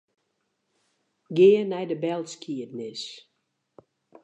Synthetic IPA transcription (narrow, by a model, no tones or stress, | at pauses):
ɡeənɛjdəbɛlˠtskʰiədnɪs